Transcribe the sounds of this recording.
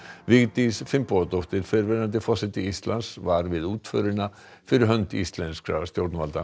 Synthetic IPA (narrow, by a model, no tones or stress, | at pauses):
vɪɣt̪isfɪmpɔat̪owht̪ɪɾ̥fɛɾvɛɾant̪ɪfɔsɪt̪ɪist̪lansvaɾvɪðuːt̪fœɾɪna | fɪɾɪɾɦœnt̪ḭst̪lɛnskɾa̰st̪jowɾt̪nmalt̪a̰